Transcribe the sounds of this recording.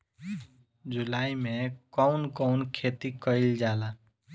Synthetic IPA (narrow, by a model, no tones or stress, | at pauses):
d͡ʒulaimẽkəʊnkəʊnkʰet̪ikəɪld͡ʒala